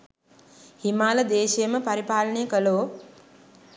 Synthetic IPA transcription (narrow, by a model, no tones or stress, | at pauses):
himaːləd̪eːʃijəməpɐɾipaːlənejəkəloː